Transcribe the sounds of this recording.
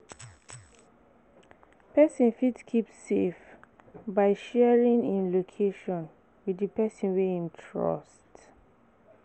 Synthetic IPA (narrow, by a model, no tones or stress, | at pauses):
pɛsĩnfitkʰipsefbaɪʃɛɹĩnĩnlokʰeʃɔ̃n | widipɛsĩnwehĩmtʰɹɔ̰st